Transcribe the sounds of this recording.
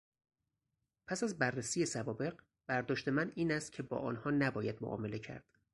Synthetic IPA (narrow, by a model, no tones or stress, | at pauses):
pʰæsæzbærːesiːje̞sævɒːbe̞ɢ | b̥æɾd̪ɒːʃt̪e̞mæniːnæst̪̚cʰe̞bɒ̰ːʔɒ̰ːnhɒːnæbɒːjæd̪̥moʔɒ̰ːme̞le̞cʰæ̰ɾd̪̥